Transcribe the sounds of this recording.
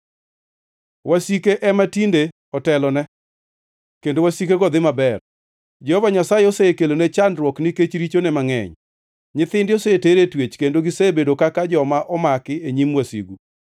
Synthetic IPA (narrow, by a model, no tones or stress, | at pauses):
wasikeʔɛmatinde | ɔtɛlɔnɛ | kendowasikeɡɔd̪ɪmabɛr | d͡ʒɛhɔvaɲasajeɔsekelonet͡ʃandɾwɔkniket͡ʃɾit͡ʃonɛmaŋɛ̰ɲ | ɲɪt̪ɪndɪɔseteɾetwet͡ʃkendoɡɪsebedokakad͡ʒɔmaʔɔmakɪeɲimwasḭɡu